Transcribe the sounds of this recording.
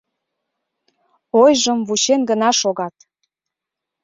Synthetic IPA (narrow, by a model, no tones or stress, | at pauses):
ojʒəmvut͡ɕenɡənɑʃoɣɑt̪